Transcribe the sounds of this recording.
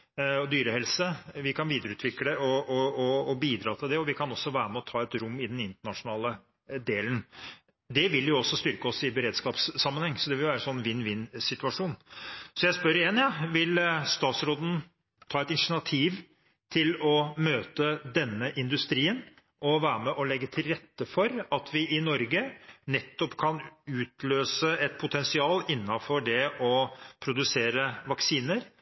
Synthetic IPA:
ɔd̪yːɾəhɛlsəʋɪkʰɑnʋiːd̪əɾəʉːt̪ʋɪkləʔɔɔɔːbiːd̪ɾɑːt̪ʰɪld̪ɛɔʋɪkʰɑnɔsːɔʋæːɾəmɛɔt̪ʰɑːɛt̪ɾʊmːɪd̪ɛnɪnt̪əɳɑʂʊnɑːlə | d̪eːlən | d̪ɛʋɪljʊɔsːɔst̪ʏɾkəɔsɪbəɾeːd̪skɑːpsːɑmːənhɛŋːsɔd̪ɛʋɪljʋæːɾəɛnsɔnːʋɪnːʋɪnːsɪt̪ʉɑʂuːnsɔjæɪspœɾɪjɛnjɑʋɪlst̪ɑːt̪sɾoːd̪n̩ | t̪ʰɑːɛt̪ɪnʂnɑt̪ʰiːʋ | t̪ʰɪlɔmøːt̪əd̪ɛnːəʔɪnd̪ʉst̪ɾiːən | ʔɔʋæːɾəmɛʔɔlɛɡːət̪ʰɪlɾɛt̪ːəfɔɾɑt̪ʰʋɪʔɪnɔɾɡənɛt̪ːɔpkʰɑnʉːt̪ʰløːsəɛt̪̚pʰʊt̪ʰɛnsɪɑːlɪnːɑfɔɖɛʔɔpʰɾʊd̪ʉseːɾəʋɑksiːnəɾ

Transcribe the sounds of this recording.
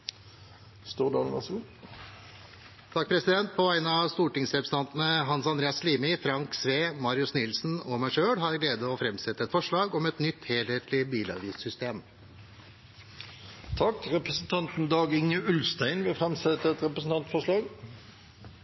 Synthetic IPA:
st̪uːʁd̪ɑːlnɑ̰su | t̪ʰɑk̚ːpʰɾɛsɪd̪ɛnt̪̚pʰɔʋæɪnəɑst̪uːʈɪŋsɾɛpɾəsn̩ɑnt̪n̩əɦɑnsɑnd̪ɾeːɑsliːmɪfɾɑŋksʋeːmɑɾɪʉsnɪlsn̩ɔmæɪʂøːɽɦɑɾɡleːd̪əɔːfɾɛmsɛt̪ːəɛt̪fɔʂɭɑːɡɔmɛt̪nʏt̪heːleːt̪lɪbiːlɑ̰ʋiːssʏst̪eːm | t̪ʰɑkʁɛpɾəsn̩t̪ʰɑnt̪n̩d̪ɑːɡɪŋəʉlst̪æɪnʋɪfʁɛmsɛt̪ːəɛt̪ʁɛpəsn̩t̪ɑnt̪fɔʂɭɑːɡ

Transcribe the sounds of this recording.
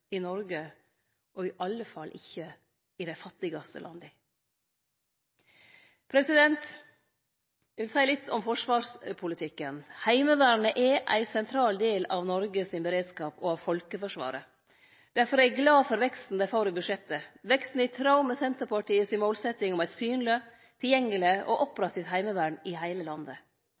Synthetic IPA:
ɪnɔɾɡə | ʔɔɪʔɑlːəfɑlːʔɪ̰çːə | ɪd̪æɪfɑt̪ːɪɡɑst̪ə̰lʔɑ̰nd̪ə | pʰɾɛsɪd̪ɛnt̪ | jɛʋɪlsæɪlɪt̪ʰːɔmfɔʂʋɑːɾʂpʰʊlɪt̪ʰɪkːənhæɪməʋæːɾɳəʔɛʔæ̰ɪsɛnt̪ʰɾɑːld̪eːlɑʋnɔɾɡəsɪnbəɾeːd̪skɑːpɔɑʋfɔlkəfɔʂʋɑ̰ːɾə | d̪̥æɾfɔɾæɡlɑːfɔɾʋɛkst̪n̩d̪æfoːɾəbʉʂɛt̪ːəʋɛkst̪n̩ɪt̪ʰɾɑʊmɛsɛnt̪əɾpɑʈiːəsɪmoːlsɛt̪ɪŋɔmæɪt̪syːnlə | t̪ʰɪljɛŋːəlɪʔɔ̰ʔɔpːɾɑt̪ːɪt̪hæɪməʋæːɳɪhæɪləlɑnd̪ə

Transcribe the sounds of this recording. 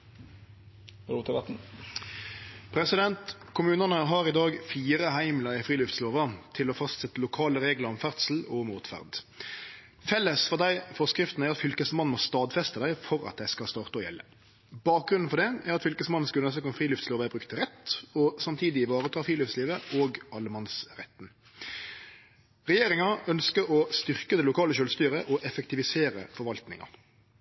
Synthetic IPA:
ɾuːt̪ʰɪʋɑt̪n̩ | pʰɾɛsɪd̪ɛnt̪kʰʊmʉːnənəɦɑɾɪd̪ɑːɡfiːɾəɦæɪmləʁɪfʁiːlʉft̪sloːʋɑt̪ʰɪlɔfɑst̪sɛt̪ːəlʊkʰɑːləɾeːɡləʁɔmfæʁt̪sl̩ɔmuːt̪fæ̰ʁd̪ | fɛlːəsfɔʁd̪æɪfɔʁskɾɪft̪n̩æɾʁɑt̪fʏlkəsmɑn̩mɔst̪ɑːd̪fɛst̪əd̪æɪfɔɾɑ̰t̪̚d̪æɪskɑst̪ɑːʁt̪əɔjɛ̰lːə | b̥ɑːk̚ɡɾʉnn̩fɔʁd̪ɛæɾɑt̪fʏlkəsmɑnn̩skʉlənɛsəkɔnfʁiːlʉft̪sloːʋæbʁʉkt̪ʰʁɛt̪ːɔsɑmt̪ʰiːd̪ɪɪʋɑːʁət̪ʰɑːʁfʁiːlʉft̪sliːʋəoːɡɑlːəmɑnsʁɛt̪ːn | ʁɛjeːɾɪŋɑœnskəɔst̪ʏʁkəd̪ɛlʊkʰɑːləʃœːlst̪yːɾəʔɔʔɛfək̚t̪ɪʋɪseːɾə̰fɔɾʋɑlt̪nɪ̰ŋɑ̰

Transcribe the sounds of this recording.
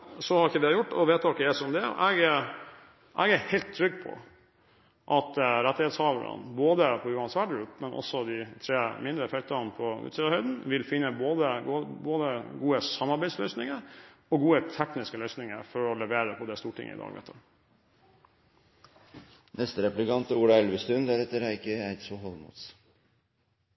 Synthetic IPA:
sɔhɑɾɪkːəd̪ɛɑjʊʈːɔ̰ʋeːt̪ɑkːəɛsɔmd̪ɛɔ̰ʔɛɡ | ʔɛɡæhɛɪlt̪t̪ʰːɾʏɡːpʰɔ̰ | ʔɑt̪ɾɛt̪ːɪɛt̪shɑːʋəɾə̰nboːd̪əpʰɔʉːɑnsʋæɖɾʉːt̪mɛnʔɔ̰sːɔd̪ɪt̪ʰɾeːmɪnd̪ɾəfœlt̪ɑnpʰɔʉ̰ːt̪siːd̪ɑhœʏd̪n̩ʋɪlfɪnːəboːd̪əɡboːd̪əɡuːəsɑmːɑɾbæɪslœʏsnɪŋəɾɔɡuːət̪ʰɛknɪskəlœʏsnɪŋəfɔɾɔlɛʋeːɾəpʰɔd̪ɛst̪uːʈʰɪ̰ŋːə̰ɪ̰d̪ɑ̰ːɡʋɛ̰t̪ʰːə | nʔɛst̪əɾɛplɪkɑnt̪əuːɽɑɛlʋəst̪ʉnd̪æɾɛt̪ːəɾæɾɪkːəæt̪sɔɦɔlmṵt̪s

